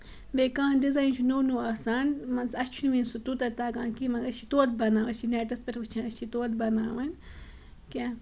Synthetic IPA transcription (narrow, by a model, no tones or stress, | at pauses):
bekãːndizajnt͡ʃʰunoːnuːasaːnmɐnsɐt͡ʃʰunumĩnsut̪ut̪ɐt̪aːɡaːnkimɐŋɡɐt͡ʃʰit̪oːt̪̚bɐnãːɐt͡ʃʰineːʈɐspɐɾbɨt͡ʃʰãɐt͡ʃʰit̪oːt̪̚bɐnaːwɐn | kʲa